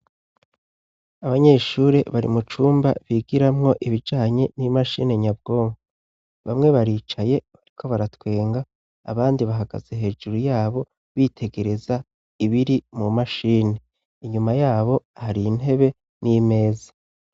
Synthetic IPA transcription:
aβaɲe̞ːʃuːɾe̞̰βaɾḭmut͡ʃuːmba̰βiɡiɾamŋo̞ʔiβid͡ʒaːɲe̞nimaʃḭːne̞ɲab̚ɡo̞ːŋɡu | βa̰mŋe̞βaɾiːt͡ʃaje̞βaɾikʰo̞βaɾatwe̞ːŋɡa | a̰βaːndiβaɦaɡa̰z̥e̞ɦe̞ːd͡ʒuɾujaːβo̞ | βitʰe̞ɡe̞ɾe̞za | iβiɾimumaʃiːne̞ | iɲumajaːβo̞haɾin̥he̞βe̞ | nime̞ːza

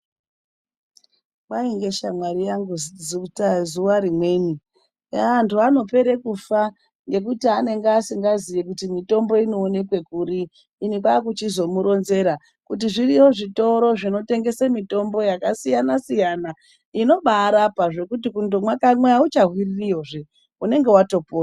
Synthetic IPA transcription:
mwaiŋɡe̞ʃamwaɾijaŋɡuzd͡zutazuwaɾimwe̞ni | aantʰuano̞pe̞ɾe̞kufa | ŋɡe̞k̬utiane̞ŋɡeasiŋɡazijekutimito̞mbo̞ino̞ːne̞kwe̞kuɾiː | nik̬waːkut͡ʃizo̞muɾo̞nze̞ɾa | kut̬iʐiriwo̞ʐito̞ɾo̞ʐino̞te̞ŋɡe̞semito̞mbo̞jakasijanasijana | ino̞ɓaːɾapaʐe̞kut̬ikundomwakamweaut͡ʃaɦwiririjo̞ʐe | une̞ŋɡe̞wato̞poː

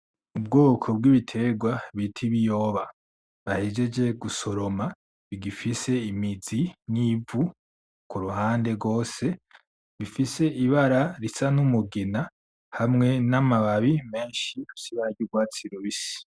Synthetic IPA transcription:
ub̚ɡoːkʰo̞b̚ɡiβitʰe̞ɡwaβitʰiβijo̞ːβa | βahed͡ʒe̞d͡ʒe̞ɡuso̞ɾo̞ma | βiɡifise̞imizinivu | kuɾuhaːnde̞ɡo̞ːse̞ | βifise̞iβaɾaɾisanumuɡena | hamŋe̞namaβaβime̞ːnʃiusiβaɟuɡwaːt͡siɾoβisi̥

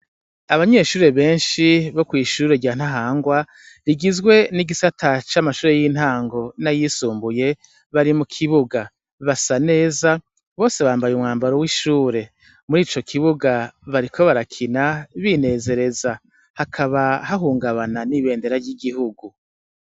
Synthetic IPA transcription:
aβaɲe̞ːʃuːɾe̞βe̞ːnʃiβo̞kwiːʃuːɾe̞ɟaːn̥haɦaːŋɡwa | ɾiɡizɡwe̞niɡisatʰat͡ʃamaʃuːɾe̞jiːn̥haːŋɡo̞najisuːmbuje̞ | βaɾimukʰiβuɡa | βasane̞ːza | βo̞ːse̞βaːmbajumŋaːmbaɾowiʃuːɾe̞ | muɾiːt͡ʃo̞kʰiβuɡaβaɾikʰo̞βaɾakʰinaβine̞ːze̞ɾe̞za | hakʰaβahaɦuːŋɡaβananiβe̞ːnde̞ɾaɾɟiɡiɦuɡu

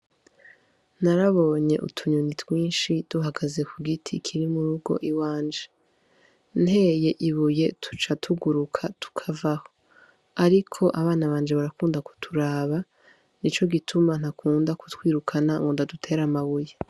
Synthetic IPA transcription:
naɾaβo̞ːɲe̞ʔṵtʰuɲunitwiːnʃid̥uɦaɡaze̞kuɡitʰikʰiɾimuɾuɡo̞̰ʔiwaːnd͡ʒe | nhe̞ːje̞ʔiβuje̞tʰu̥t͡ʃatʰuɡuɾukʰatu̥kʰavaho̞̥ | aɾikʰo̞ʔaβaːnaβaːnd͡ʒeβaɾakuːndaku̥tʰuɾaːβa | nit͡ʃo̞ɡitʰuman̥hakʰuːndaku̥twiːɾukʰanaŋɡondadutʰe̞ːɾamaβuje

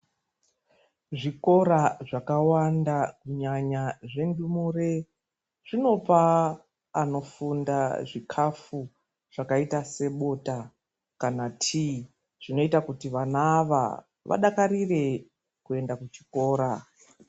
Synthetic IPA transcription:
ʐiko̞ɾaʐakawandakuɲaɲaʐe̞ndumure | ʐ̥ino̞paː | no̞fundaʐikʰafu | ʐ̥akaitase̞ɓo̞ta | kanatʰi | ʐ̥ino̞itakutiʋanaːʋa̰ | ʋa̰ɗakaɾire̞ | kue̞ndakut͡ʃi̥ko̞ːɾa

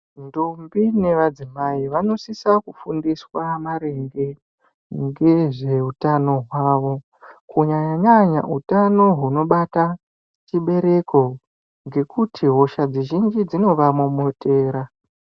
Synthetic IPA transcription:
ndombine̞ʋad͡zimaiʋano̞sisakufundiswamaɾe̞ŋɡe̞ | ŋɡe̞ʐe̞utano̞ɦwaːʋo̞ | kuɲaɲaɲaɲa̰ʔutano̞ɦuno̞ɓata | t͡ʃiɓe̞ɾe̞ko̞ | ŋɡe̞kʰutʰiɦo̞ʃad͡ziʒind͡ʒid͡zino̞ʋamumotʰeːɾa

